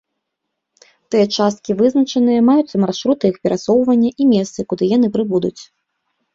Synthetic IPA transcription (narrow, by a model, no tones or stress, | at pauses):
t̪ɨjɐt͡ʂast̪kʲivɨznɐt͡ʂɐnɨjɐmajut̪sːɐmarʂɾut̪ɨixpʲɛɾʔasɔwvɐnʲːɐʔimʲɛst̪sɨkud̪ɨjan̪ɨpɾɨbud̪ut͡sʲ